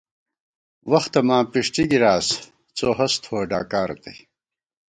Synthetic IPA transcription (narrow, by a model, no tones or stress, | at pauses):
wɐxt̪ɐmaːpiʂʈiɡiɾaːs | t͡soːɦɐst̪ʰoːɖa̰ːkaːɾɐ̰t̪ʰij